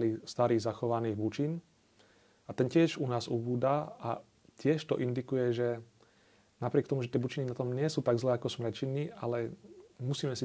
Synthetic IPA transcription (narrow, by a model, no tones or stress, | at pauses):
list̪aɾiːɣzaxɔʋaniːɣbut͡ʃin | at̪ɛncɪɛʃunaːzubuːd̪aa̰ | c̪ɪɛʃt̪ɔʔind̪ikujɛʒɛ | napɾɪɛkt̪ɔmuʒɛt̪ɪɛbut͡ʃininat̪ɔmɲɪɛsuːt̪aɡzlɛːakɔsmɾɛt͡ʃinialɛmusiːmɛsi